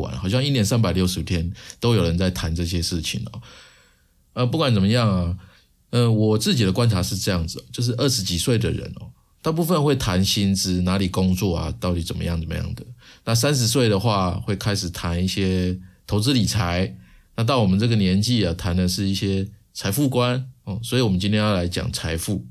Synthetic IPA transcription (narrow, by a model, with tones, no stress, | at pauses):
wa̰˨˩nxɑ˨˩ɕjɑ˥ŋi˥njɛ˧˥nsa˥npa˨˩ɪljo˥˩ʊʂɻ̩˧t̪ʰjɛ˥nt̪o˥ʊjo˨˩ʊɻə˧˦nt͡sa˥˩ɪt̪ʰa˧˦nʈ͡ʂɤ˥˧ɕ̬jɛ˦˥ʂɻ̩˥˩t͡ɕʰḭ˨˩ŋɔ̰˨˩ | ə˧p̬u˥˩kwa˨˦nt͡sə˨˩mə˦jɑ˥˩ŋa˨˩ | ə˧˩wɔ˨˩t͡sɹ̩˥˩t͡ɕi˨˩d̪ə˦kwa˦nt͡sʰa˧˥ʂɻ̩˥˧ʈ͡ʂɤ˥˧jɑ˥˩ŋd͡zɹ̩˨˩ɔ˨˩t͡ɕjo˥˧ʊʂ̬ɻ̩˥˧ʔə˥˩ʂɻ̩˧˦t͡ɕi˨˩swe˥˩ɪd̪ə̰˨ɻə̰˧˦nɔ̰˨ | t̪a˥˧p̬u˥˧fə˥˧nxwe˥˩ɪt̪ʰa˧˦nɕi˥nt͡sɹ̩˥na˧˥li˨˩kʊ˦˥ŋt͡swɔ˥˩a̰˩t̪ɑ˥˩ʊt̪i˨˥t͡sə˨˩nmə̰˦jɑ˥˩ŋt͡sə˨˩mə̰˧˦jɑ̰˥˩ŋd̪ə˩na˥˩s̬a˦˥nʂ̬ɻ̩˧˥s̬we˥˩ɪd̪ə˩xwa˥˧xwe˥˩ɪkʰa˥ɪʂɻ̩˨˩t̪ʰa˧˦ni˥˩ɕjɛ˥t̪ʰo˧˥ʊt͡sɹ̩˦˥li˨˩t͡sʰa˧˦ɪna˥˧t̪̬ɑ˥˩ʊwɔ˨˩mə˦nt͡sɤ˥˩ɡə˩njɛ˧˦nt͡ɕi˥˩a˨˩t̪ʰa˧˦nd̪ə˨ʂɻ̩˥˧i˥˩ɕjɛ˥ | t͡sʰa˧˥ɪfu˥˧kwa˦nɔ˨˩swɔ˧˥i˨˩wɔ˨mə˦nt͡ɕi˥nt̪ʰjɛ˥jɑ˥˩la˧˥ɪt͡ɕjɑ̰˨˩ŋt͡sʰa˧˥ɪfu˥˩